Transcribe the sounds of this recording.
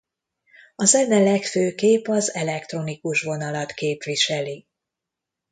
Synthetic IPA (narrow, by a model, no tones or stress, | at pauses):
ɒzɛnːɛlɛkføːkeːpɒzɛlɛkt̪ro̞nikuʃʋo̞nɒlɒt̪keːpʋiʃɛli